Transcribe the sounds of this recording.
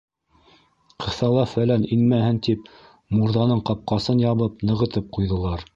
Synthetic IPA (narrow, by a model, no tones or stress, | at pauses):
qʰɤ̆θɑlˠɑfælæninmæhɘnt̪ip̚ | muɾðɑnɤɴqɑp̚qɑsɤnjɑβɤp̚nɤ̆ʁɤ̆t̪ɤp̚qujðɤ̆lˠɑɾ